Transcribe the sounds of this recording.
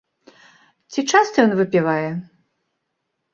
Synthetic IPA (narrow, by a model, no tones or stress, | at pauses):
t͡sʲit͡ʂast̪ɐjɔnvɨpʲivajɛ